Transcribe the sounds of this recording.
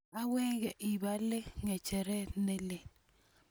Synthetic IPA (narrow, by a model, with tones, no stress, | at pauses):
a˦wɛ˦ɡɛ˨ʔɪ˨ba˦lɪ˦ŋɛ˨t͡ʃɛ˨ɾɛ˦ne˦lɪ˨n